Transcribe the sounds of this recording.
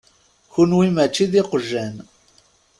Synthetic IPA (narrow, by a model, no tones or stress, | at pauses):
çunwimæt͡ʃːiðiqəʒːæn